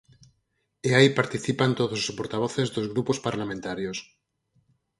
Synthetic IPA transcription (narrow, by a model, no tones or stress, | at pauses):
eajpaɾt̪iθipant̪oðosospoɾt̪aβ̞oθezðozɣɾupospaɾlamẽnt̪aɾjos